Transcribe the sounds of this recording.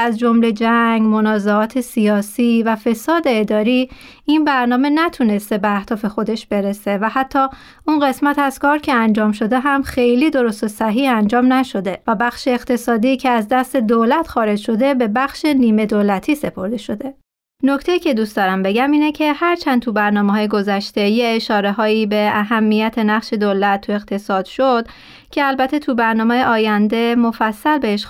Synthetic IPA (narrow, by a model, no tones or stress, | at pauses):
æzd͡ʒo̞mle̞d͡ʒæŋɡmonɒːzeɒːt̪ʰe̞siɒːsiːvæfe̞sɒːd̪e̞ːd̪ɒːɾi | inbæɾnɒːme̞næt̪ʰune̞st̪e̞beæhd̪̥ɒːfe̞xo̞d̪e̞ʃb̥e̞ɾe̞se̞væhæt̪ʰːɒː | unɢe̞smæt̪ʰæz̥kʰɒːɾcʰeænd͡ʒɒːmʃo̞d̪e̞ɦæmxe̞jliːd̪o̞ɾo̞st̪o̞sæɦiːhænd͡ʒɒːmnæʃo̞d̪e̞væbæxʃeːqt̪ʰe̞sɒːd̪iːcʰe̞æzd̪æst̪e̞d̪olæt̪ʰxɒːɾed͡ʒʃo̞d̪e̞be̞bæxʃe̞niːme̞d̪olæt̪ʰiːse̞pʰo̞ɾd̪e̞ʃo̞d̪e̞ | nocʰt̪ʰe̞jiːcʰe̞d̪ustd̪ɒɾæmbe̞ɟæmiːnecʰe̞hæɾt͡ʃʰænd̪̚t̪ʰubæɾnɒːmeɦɒːjeɡo̞zæʃt̪e̞jeːʃɒːɾe̞ɦɒːiːbe̞æɦæmːijæt̪ʰe̞næχʃe̞d̪olæt̪ʰːue̞ɣt̪ʰe̞sɒːd̪̥ʃod̪̥ | cʰe̞ælbæt̪ʰet̪ʰubæɾnɒːmejeʔɒːjænd̪e̞mofæsːælbeheʃ